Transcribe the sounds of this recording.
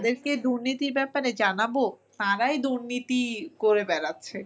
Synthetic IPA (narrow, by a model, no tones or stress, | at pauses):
d̪eɾked̪uɾnit̪iɾbɛpaɾed͡ʑanabot̪aɾajd̪uɾnit̪ikoɾebɛɾatːɕʰe